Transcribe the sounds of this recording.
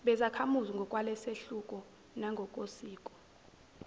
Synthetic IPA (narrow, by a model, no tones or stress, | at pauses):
ɓɛzakʰamuziŋɡʱɔkʼwalɛseɬukʼɔ | naŋɡʱɔkʼosiːkʼɔ̥